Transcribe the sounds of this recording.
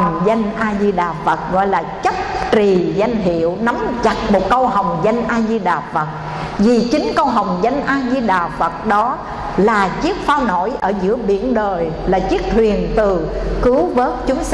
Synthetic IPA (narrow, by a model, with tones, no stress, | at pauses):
ŋ͡mza˧jŋ̟ʔaː˧zi˧ɗaː˨˩fə˨˩t̚ɣɔ̰˧˨jlaː˨˩t͡ɕə˦˥p̚t͡ɕi˨˩za˧jŋ̟ɦḭ˧˨əwna˨˦mt͡ɕa˨˩k̚mo˨˩t̚kə˧wɦa˨˩wŋ͡mza˧jŋ̟ʔaː˧zi˧ɗaː˨˩fə˨˩t̚ | vi˨˩t͡ɕï˨˦ŋ̟kə˧wɦa˨˩wŋ͡mza˧jŋ̟ʔaː˧zi˧ɗaː˨˩fə˨˩t̚ɗɔ˨˦ | laː˨˩t͡ɕi˦˥ək̚faː˧wno̰˧˩˨jʔəː˧˩zɨ̰˧˥əɓḭ˧˩ənɗəː˨˩j | laː˨˩t͡ɕi˦˥ək̚t̪ʰwi˨˩ənt̪ɨ˨˩kɨ˨˦wvəː˦˥t̚t͡ɕʊ˨˦ŋ͡m